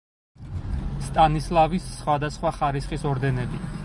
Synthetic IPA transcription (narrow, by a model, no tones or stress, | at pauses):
st̪ʼanislˠavisːχwad̪asχwaχaɾisχisɔɾd̪ɛnɛbi